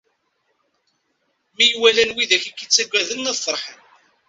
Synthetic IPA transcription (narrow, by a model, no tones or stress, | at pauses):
mijwælænwiðæçikːit͡sːæɡʷːæðənːəðθəɾˤħən